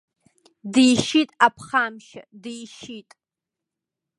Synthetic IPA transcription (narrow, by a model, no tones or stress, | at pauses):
dijʃitʼapʰχamʃa̰dijʃitʼ